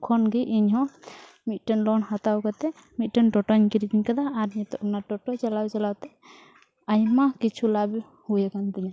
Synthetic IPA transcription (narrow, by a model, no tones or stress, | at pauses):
kʰɔnɡiʔiɲɦɔ̃ | mit̪̚ʈɔnlɔnhat̪awkat̪ɛ | mit̪̚ˀʈɛnʈɔʈɔɲkiɾid̪iɲkad̪aaɾɲɛt̪ɔʔnaʈɔʈɔt͡ʃalawt͡ʃalawt̪ɛ | ajmakit͡ʃʰulab | hujakant̪ɛɲa